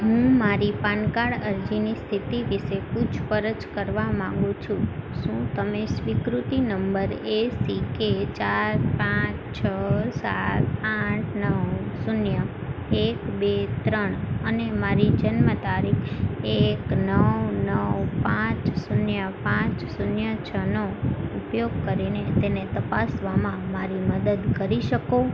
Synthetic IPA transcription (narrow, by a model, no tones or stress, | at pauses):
ɦũmaɾipankaɽəɾd͡ʒinist̪ʰit̪iʋiʃeput͡ʃʰpəɾət͡ʃkəɾʋamãŋ̆ɡũt͡ʃʰũʃũt̪əmesʋikɾut̪inəmbəɾesiket͡ʃaɾpãt͡ʃt͡ʃʰəsa̰t̪̚pãt͡ʃʰnəwsunjəekbet̪ɾəɳ̃ənemaɾid͡ʒənmət̪aɾikʰeknəwnəwpãt͡ʃsunjəpãt͡ʃsunjət͡ʃʰənoupjoɡkəɾinet̪enet̪əpasʋamãmaɾiməd̪əd̪kəɾiʃəko